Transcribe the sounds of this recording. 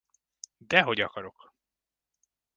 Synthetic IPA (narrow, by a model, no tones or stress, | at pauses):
d̪ɛɦo̞ɟɒkɒɾo̞k